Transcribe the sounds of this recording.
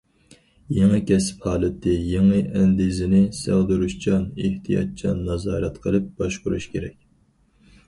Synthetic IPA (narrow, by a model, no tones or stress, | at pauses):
jeŋɨkʲɛsɪ̥phɑːlˠɨt̪ʰːɪjeŋɨʔɛnd̪izɪnɪsæ̰ʁd̪ɨɾuʃt͡ʃʰɑneht̪ʰijɑ̰t̪̚t͡ʃʰɑnːɑzɑːɾɛt̪qʰəlˠɨp̚b̥ɑʃqʊɾuʃkʲeɾɛkʲ